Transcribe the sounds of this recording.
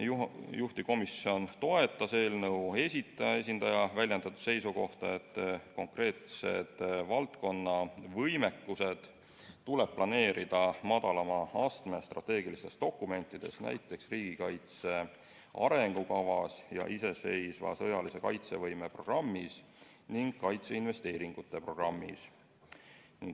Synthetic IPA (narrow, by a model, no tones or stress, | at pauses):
juht̪iko̞misːio̞nt̪o̞e̞t̪ːˑɑse̞ːlnɤwe̞sʲit̪ːˑɑjɑe̞sʲind̪̥ɑjɑvælʲjend̪ɑt̪ːˑu̥se̞jsuko̞ht̪ɑe̞t̪ːˑko̞ŋkre̞ːt̪se̞̰d̪̥vɑlt̪ko̞nːɑvɤjme̞kːuse̞d̪̥ | t̪ːule̞b̥̚plɑne̞ːɾid̪̥ɑmɑd̪̥ɑlɑmɑɑst̪me̞st̪rɑt̪ˑːe̞ːɡilist̪e̞sd̪̥o̞kːˑume̞nt̪ːˑid̪̥e̞̰snʔæ̰jt̪ːˑe̞ksriːɡ̥ikɑjt̪se̞ | ʔɑ̰ɾe̞ŋɡ̥ukɑvɑsjɑ̰ʔise̞se̞jsvɑ̰sɤjɑlise̞kɑjt̪se̞vɤjme̞pro̞ɡrɑmːis | niŋɡ̥kɑjt̪se̞inve̞st̪e̞ːɾiŋɡ̥ut̪ˑːe̞pro̞ɡ̥rɑmːḭs | niŋɡ